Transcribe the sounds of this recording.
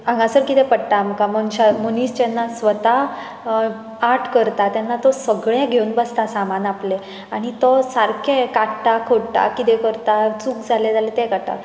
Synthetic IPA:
ãŋɡãsəɾkit̪ɛ̃pəɽʈamkaməɳɕamoniːst͡ɕɛnːasʋət̪a | aʈʰkəɾt̪at̪janːat̪ɔsəɡɭẽɡʱeunbəst̪asamanaple | aɽ̃it̪ɔsaɾkʰẽkaʈʈakʰoɽʈa̰kit̪ɛkəɾt̪at͡suːkd͡zʱaled͡zalet̪ekat̪a̰

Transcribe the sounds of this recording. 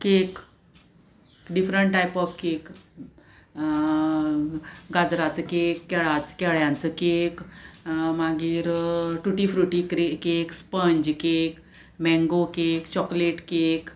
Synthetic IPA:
kek | ɖifɾəɳʈʈːajpɔfkek | ɡad͡zɾat͡səkekːɛɭat͡skɛɭjãnt͡səkek | maɡiːɾʈuʈifɾuʈikɾekekspəɲd͡ʑkek | mɛ̃ŋɡokekt͡ɕɔkleʈkek

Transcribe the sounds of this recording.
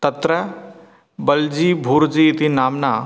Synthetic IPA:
t̪ɐt̪ɾə | bəld͡ʑiːbʱuːɾd͡ʑiːt̪inaːmna

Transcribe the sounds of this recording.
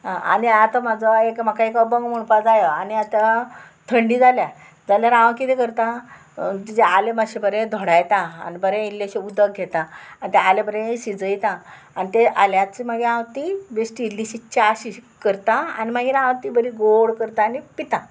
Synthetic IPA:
ɦãʔa̰niat̪amad͡zəekmakaekəbəŋɡməɳpad͡zajəaniat̪a | t̪ʰəɳɖid͡zalja | d͡zaljaɾãʋãkit̪ekəɾt̪ã | t̪id͡zealemaɕebəɾẽd̪ʱɔɽajt̪ã̰ːnibəɾẽilːeɕeud̪ək̚ɡʱet̪ãanit̪ealebəɾẽɕid͡zəjt̪ãː | nit̪eʔaljãt͡simaɡeãʋt̪ibesʈilːiɕit͡ɕaːɕikəɾt̪ãa̰nimaɡeɾãʋãt̪ibəɾiɡoɽkəɾt̪aːnipit̪ã

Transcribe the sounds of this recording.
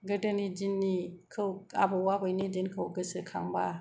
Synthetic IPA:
ɡədənid͡ʒinːikʰɯwa̰bowabojnid͡ʒinkʰɯwɡɯsɯkʰaŋba

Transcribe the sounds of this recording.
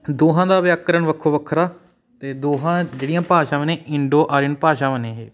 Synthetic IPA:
d̪oːɦãːd̪aːʋjaːkːəɾəɳʋəkʰːoːʋəkʰːɾaː | t̪eːd̪oːɦãːd͡ʒeːɽijãːpaːʃãːʋənẽːɪɳɖoːʔaːɾɪnpaːʃãːʋənẽːɦḛː

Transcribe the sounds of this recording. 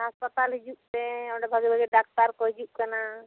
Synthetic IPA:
aspət̪alɦid͡ʒuʔ̚t̪ɛɔ̃ɖɛbʱaɡibʱaɡɛɖak̚ʈaɾkɔɦid͡ʒuʔkana

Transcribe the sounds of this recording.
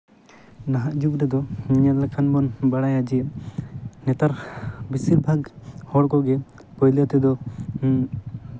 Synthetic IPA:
naɦaʔd͡ʒukɾɛd̪ɔɲalakʰanbɔnbaɽajad͡ʒiɛ | nɛt̪aɾbisiɾbʱaɡhɔɽkɔɡɛ | pɔjlɔt̪ɛd̪ɔ

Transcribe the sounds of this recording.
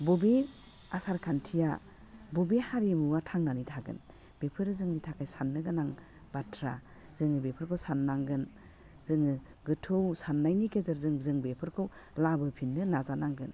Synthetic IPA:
bɔbe | asaɾkʰantʰija | bobehaɾimuwatʰaŋnanitʰaɡɯ̰n | b̥epʰɯɾɯzɯŋnitʰakʰajsanːɯɡɯnaŋ | b̥atʰɾa | z̥ɯŋɯbepʰɯɾkʰɯwsanːaŋɡɯn | zɯŋɯ | ɡɯtʰɯwsanːajnikʰezɯɾzɯŋzɯŋbepʰɯɾkʰɯw | labɯpʰinːɯnazanaŋɡɯn

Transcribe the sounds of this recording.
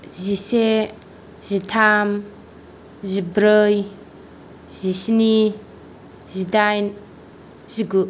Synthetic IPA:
zise | zitʰam | zibɾəj | z̥isni | zidajn | ziɡu

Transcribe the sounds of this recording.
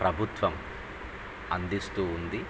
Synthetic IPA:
pɾɐbʱut̪ʋɐm | ɐnd̪ist̪uːnd̪i

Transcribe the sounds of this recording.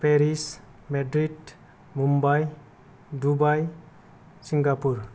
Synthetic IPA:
peɾis | medɾid | mumbaj | dubaj | siŋɡapuɾ

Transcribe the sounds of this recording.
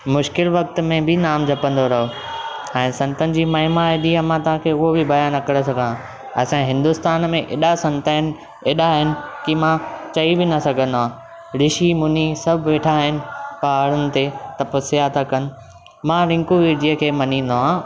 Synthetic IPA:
mʊʃkɪlʋɐk̚t̪mẽbɪnaːmd͡ʑʱɐpə̃nd̪oɾɐɦoɛ̃ːsɐ̃nt̪ənɪ̆d͡ʑiːmɐɦɪmaed̪iəmãt̪ɐʋɦãkʰeʊɦobɪbɐjanɐkəɽes̬ɐɡʱənã | ɐsãɦɪ̃nd̪ʊst̪aːnmẽʔeːɗasɐ̃nt̪aɦɪn̆ | eːɗaɦɪnɪ̆kimãt͡ɕɐibɪnɐsɐɡʱə̃nd̪oɦãː | ɾɪʃimʊnisɐbʱʋeːʈʰaɦɪnɪ̆paɦaɽənɪ̆t̪et̪ɐpəsijat̪akɐnɪ̆ | mãɾɪ̃ŋkuʋid͡ʑiɦə̃kʰeːmɐnĩːn̆d̪oɦãː

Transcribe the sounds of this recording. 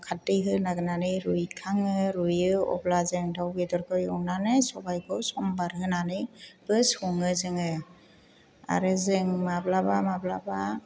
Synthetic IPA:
kʰatːɯjɦɯnaɡɯnanɯɾujkʰaŋɯɾujɯɔ̰blazɯŋdʰawbedɔɾkʰɯjɔwnanɯsɔbajkʰɔwsɔmbaɾɦɯnanɯb̥ɯsɔŋɯzɯŋɯ | a̰ɾɯzɯŋmablabamablaba

